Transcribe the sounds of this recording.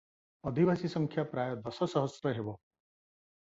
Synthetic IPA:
ʌd̪ʱibasisʌŋkʰjapɾajʌd̪ʌsʌsʌɦʌsɾʌɦebɔ

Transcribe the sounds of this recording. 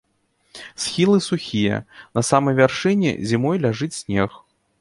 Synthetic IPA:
sxʲilˠɨsuxʲijɐ̰nɐsamɐjvʲarʂɨnʲɛ̰zʲimɔjlʲaʐɨt͡sʲsʲnʲɛx

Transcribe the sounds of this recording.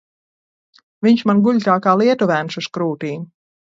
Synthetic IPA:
viɲʃmanɡuʎʲt̪aːkaːlˠiɛt̪uvæːnsuskɾuːt̪iːn

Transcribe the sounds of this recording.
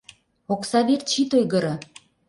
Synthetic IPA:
oksɑβert͡ɕit̪ojɣɤ̆ɾɤ̆

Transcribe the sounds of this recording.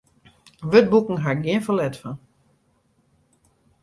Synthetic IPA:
ʋøt̚bukŋ̩ɦaɹɡjɪənfəlɛtfan

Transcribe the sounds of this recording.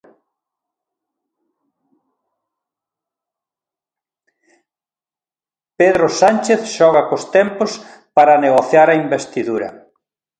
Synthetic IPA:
peðɾʊsant͡ʃeθʃɔɣɐkost̪ɛmpos | paɾɐneɣoθjaɾɐimbest̪iðuɾɐ̰

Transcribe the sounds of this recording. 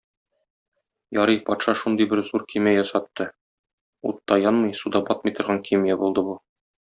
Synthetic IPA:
jɒɾɤjpɒt̪ʃɑʃund̪ɤjbɘɾzuɾkʰimæjɒsɑt̪ːɤ | ṵt̪ːɑjɒnmɤjsud̪ɑbɒt̪mɤ̆jt̪ŏɾʁɑŋkʰimijæbulˠd̪ɤbu

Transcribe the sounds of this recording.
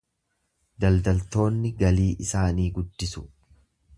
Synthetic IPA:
d̪ɐld̪ɐlt̪o̞ːnːɪɡɐliːʔɪsaːniːɡʊd̪ːɪsʊ̥

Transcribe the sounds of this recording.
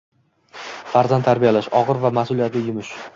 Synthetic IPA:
faɾzant̪ʰaɾbijalaʃɒʁɨɾvamasʊlijat̪lɪjʊmɪʃ

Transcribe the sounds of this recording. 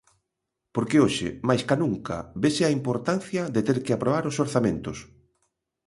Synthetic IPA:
poɾkeoʃɪ̰majskanũŋka̰βesɪaimpoɾt̪an̟θjɐðet̪eɾkɪapɾoβaɾʊsoɾθamẽnt̪ʊs

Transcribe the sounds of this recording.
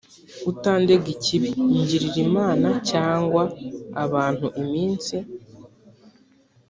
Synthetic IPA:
utaːnde̞ɡiciβiɲɟiɾiɾimaːnacaːŋɡwaːβaːn̥huʔimiːnt͡si

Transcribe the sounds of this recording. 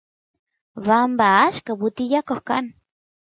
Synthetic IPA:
βambaaʃkaβut̪ijakohka̰ʔn

